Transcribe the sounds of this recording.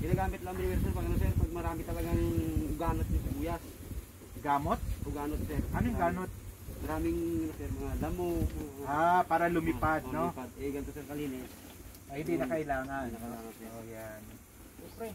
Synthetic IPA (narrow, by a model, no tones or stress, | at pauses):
ɡɪnaːɡaːmɪt̪lɐʔŋmɪnmɛɾsɛɾpɐɡɐnosɛɾpɐɡ̚mɐɾaːmɪt̪ɐlɐɡaŋʊɡaːnot̪̚nɐsɐbuːjas | ɡaːmot̪̚ʔʊɡaːnot̪̚sɛɾkamɪŋɡaːnot̪̚mɐɾaːmɪŋɐmosɛɾmɐŋalɐmoapaːɾɐlʊmɪpad̪̚nopad̪̚ʔɛɡɐnt̪osɛɾkɐliːnɛs | hɪnd̪inɐkɐʔɪlaːŋannɐkɐlaːŋɐnsɛɾʔojan | oːbɾɛ